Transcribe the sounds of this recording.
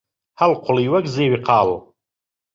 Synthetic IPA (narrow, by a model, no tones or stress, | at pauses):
hɐlqʰʊliːwɐɡzeːwiqʰɑːl